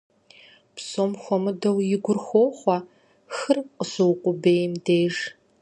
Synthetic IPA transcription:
pʰsomxʷɔmɨdɐwjɪɡʷʊrxʷoːχʷɐ | xɨrqʼəsɨwqʷʼʊbeːjmdeːʐ

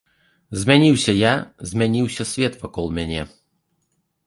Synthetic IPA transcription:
zmʲɛnʲiwsʲɐjazʲmʲɛnʲiwsʲɐsʲvʲet̪vɐkɔlˠmʲænʲɛ

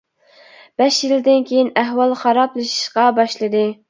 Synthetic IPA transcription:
b̥ɛʃjild̪ɪnkʲʰejinæɦwɑlˠχɑɾɑplˠɨʃi̥ʃqɑbɑʃlˠɨd̪ɨ

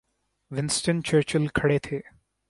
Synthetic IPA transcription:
ʋɪnsʈənt͡ʃəɾt͡ʃɪlkʰɐɽeːt̪ʰeː

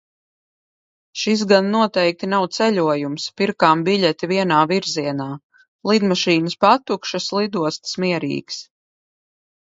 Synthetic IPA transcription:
ʃis̬ɡanːuɔt̪ɛjk̚t̪inawt̪sɛlʲuɔjumspiɾkaːmbiʎʲɛt̪ʲiviɛnaːviɾziɛnaː | lˠid̪maʃiːnəspat̪ukʃɐslˠid̪uɔst̪smiɛɾḭːks

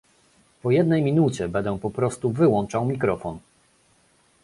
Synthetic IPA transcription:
pɔjɛd̪nɛjmʲinut͡ɕɛbɛnd̪ɛw̃pɔpɾɔst̪uvɘwɔnt͡ʂawmʲikɾɔfɔn

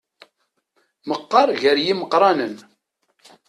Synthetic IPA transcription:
məqːɑɾˤʝəɾjiməqːɾˤɑnən

